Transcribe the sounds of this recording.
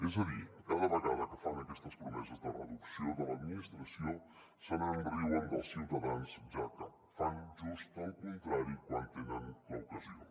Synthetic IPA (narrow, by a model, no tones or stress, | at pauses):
ɛzəðikaðəβəɣaðəkəfanəkɛst̪əspɾumɛzəzd̪ərəðuksioðələd̪minist̪ɾəsio | sənəmbɾiwənd̪ə̰lˠsiwt̪əðansʒakə | fanʒust̪əlˠkunt̪ɾaɾikwant̪enənləwkəzio